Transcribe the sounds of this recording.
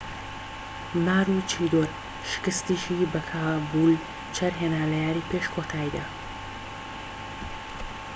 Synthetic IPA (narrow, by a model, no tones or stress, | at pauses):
maːɾut͡ʃʰid̪oɾ | ʃɨ̥kɨst̪iʃibɐkʰaːbul | t͡ʃʰɐɾɦenaːlɐjaːɾipeːʃkʰot̪ʰaːjd̪ɐ